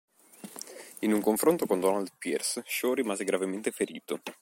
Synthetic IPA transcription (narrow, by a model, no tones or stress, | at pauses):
inuŋkoɱfɾont̪okond̪ɔnald̪pirsʃoɾimaːzeɡɾavement̪efeɾiːt̪o